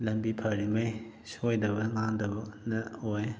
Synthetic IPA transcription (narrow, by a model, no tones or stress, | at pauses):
lɐmbipʰɐɾimɐj | sojdɐbɐŋaŋdɐbɐnɐoj